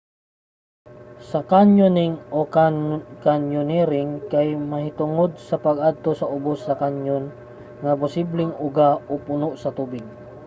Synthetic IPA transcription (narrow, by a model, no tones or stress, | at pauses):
sɐkanjonɪŋo | kanjʊnɛɾɪŋkajmɐhɪt̪ʊŋod̪̚sɐpɐɡad̪̚t̪osɐʊbosːɐkaɲjon | ŋɐpʊsiblɪŋʊɡaopʊnoʔsɐt̪ubɪɡ̚